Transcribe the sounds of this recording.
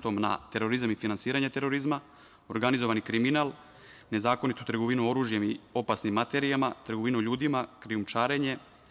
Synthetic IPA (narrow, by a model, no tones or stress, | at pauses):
t̪o̞mna̰t̪e̞ɾo̞ɾizamifinansiːɾaɲe̞t̪e̞ɾo̞ɾizma | o̞ɾɡanizo̞ʋanikɾiminal | ne̞zaːko̞nit̪ut̪r̩ɡoʋinuo̞ɾuːʒje̞mio̞pasnimːat̪e̞ɾiamat̪r̩ɡoʋinuʎuːd̪imakɾiumt͡ʃaːɾe̞ɲe̞